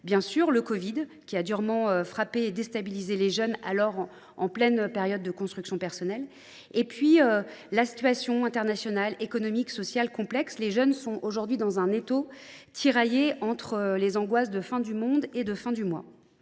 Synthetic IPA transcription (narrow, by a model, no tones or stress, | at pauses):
bjɛ̃syʁləkɔvid̪kʲiad̪yʁmɑ̃øfχapeːd̪est̪abilizeleʒœna̰lɔʁ | ɑ̰̃plɛnpeʁjɔd̪ːəkɔ̃st̪χyksjɔ̃pɛʁsɔnɛl | epɥiølasi̥t̪ɥasjɔ̃ɛ̃t̪ɛʁnasjɔnalekɔnɔmiksɔsjalkɔ̃plɛksleʒœnsɔ̃ʔoʒuʁd̪ɥid̪ɑ̃zɛ̃net̪o | t̪ʰiʁajeɑ̃t̪χəlezɑ̃ɡwas̬d̪əfɛ̃d̪ymɔ̃d̪ed̪əfɛ̃d̪ymwa̰